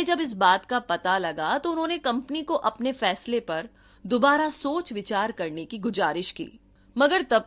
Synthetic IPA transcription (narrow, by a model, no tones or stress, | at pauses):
ed͡ʒɐbɪs̬baːt̪kapɐt̪alɐɡat̪oʊnɦõːnekɐ̃mpnikoʔɐpnefɛːslepɐɾ | d̪ʊbaːɾasoːt͡ʃʋɪt͡ʃaːɾkɐɾnekiɡʊzaːɾɪʃkḭː | mɐɡəɾt̪ɐb̚